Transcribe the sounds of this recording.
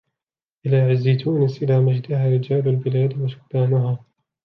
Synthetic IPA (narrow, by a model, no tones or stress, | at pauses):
ʔɪlaːʕazːijt̪uːnasʔɪlaːmad͡ʒd̪ɪhaːɾɪd͡ʒaːlalbɪlaːd̪wasʊ̥k̚ːaːnʊɦaː